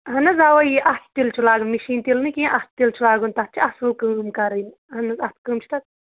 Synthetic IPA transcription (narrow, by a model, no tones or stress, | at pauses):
ɦɐnɐzawɐjiʔɐt̪̚ʰt̪ilt͡ʃʰulaːɡɨnmiʃiːnt̪ilnɨkĩʔɐst̪̚ʰt̪ilt͡ʃʰulaːɡɨnt̪ɐt̪̚t͡ʃʰiɐsukɨmkɐɾɐjn | ɦɐnɐzɐt̪ʰkɨmt͡ʃʰt̪ɐt̪̚